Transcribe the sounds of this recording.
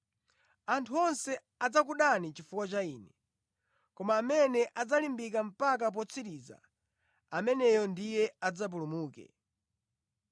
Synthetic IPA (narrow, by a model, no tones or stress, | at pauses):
antʰuɔnsɛ | ad͡zakuɗanit͡ʃifuwat͡ʃaiːnɛ | kɔmaːmɛnɛʔad͡zalimbikam̩pak̬ap̬ɔt͡sʰiɾid͡za̰ | amɛnɛjɔndijɛad͡zap̬ulumuːkɛ̰